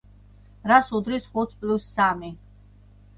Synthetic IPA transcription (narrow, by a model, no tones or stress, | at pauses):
ɾasud̪ɾisχut̪sʰpʼlusːami